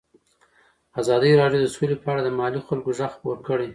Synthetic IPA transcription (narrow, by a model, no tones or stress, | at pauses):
azɑd̪əjɾɑɖjod̪əsolepəaɽad̪əmɑlixalkoʒaxxpoɾkəɽe